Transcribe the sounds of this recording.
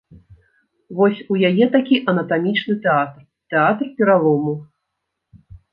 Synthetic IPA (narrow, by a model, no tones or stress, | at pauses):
vɔsʲujajɛt̪akʲiʔɐnɐt̪amʲit͡ʂnɨt̪ɛat̪r | t̪ɛat̪rpʲɛɾalˠɔmu